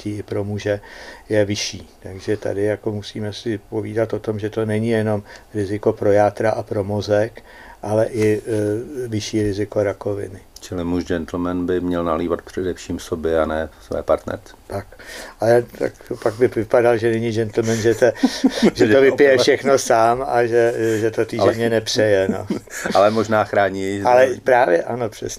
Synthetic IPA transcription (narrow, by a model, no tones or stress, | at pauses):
ciɪpɾo̞muʒɛjɛvɪʃiːt̪aɡʒɛt̪a̰dɪjako̞musiːmɛsɪpo̞viːdat̪ʔo̞t̪o̞mʒɛt̪o̞nɛɲɪjɛno̞mɾɪzɪko̞pɾo̞jaːt̪ɾaʔapɾo̞mozɛk | ʔalɛʔɪ | vɪʃiːɾɪzɪko̞ɾako̞vɪ̰nɪt͡ʃɪlɪmuʃd͡ʒɛnt̪l̩mɛnbɪmɲɛlnaliːvat̪̚pr̝̥ɛdɛfʃiːmsobjɛanɛːsvɛ̰ːpa̰ɾt̪nɛ̰ɾt͡sɛ̥t̪akʔalɛt̪a̰kpaɡ̚bɪvɪpadalʒɛnɛɲɪd͡ʒɛnt̪l̩mɛnʒɛt̪oʒɛovɪpɪjɛfʃɛxno̞saːmaʒɛʒɛt̪ot̪iɛɲɛnɛpr̝̥ɛjɛno̰ʔalɛmoʒnaːxɾaːɲiʒalɛpɾaːvjɛʔano̞pr̝̥ɛsɲɛ